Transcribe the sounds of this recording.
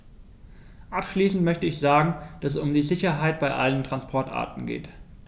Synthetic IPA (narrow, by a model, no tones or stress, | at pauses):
ʔapʃliːsn̩tmœçtəɪçz̥aːɡŋ̩d̥assʊmdiːzɪçɐɦaɪt̚b̥aɪʔa̰ləntʁ̥anspʰɔɐtʔa̰ːɐtn̩ɡḛːt